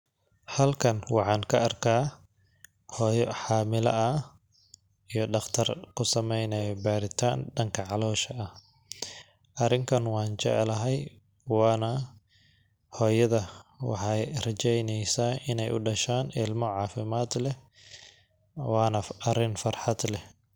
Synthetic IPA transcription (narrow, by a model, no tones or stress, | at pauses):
hɐlkʰɐnwɑħɑːŋkʰɐʔɐrkʰaː | hɔːjħɑːmɪlɐ̰ʔɐ | ijɞɖɑχt̪ʰɐrkʰʊsɐmɛjnɐjɔbaːɾɪt̪ʰaːnɖɐŋkʰɐʕɑlɔːʃɐɐh | ʔɐrɪŋkʰɐnwɑːnt͡ʃɛ̰ʕɛlɐɦɛj | wɑːnɐ | hɔːjɐðɐwɑ̰ħɑjrɐt͡ʃɛjnɛjsaːɪnɛjʔʊɖɐʃaːnɪlmɔʕɑːfɪmaːd̪lɛ | wɑːnɐɐɾɪnfɐrħɑd̪lɛ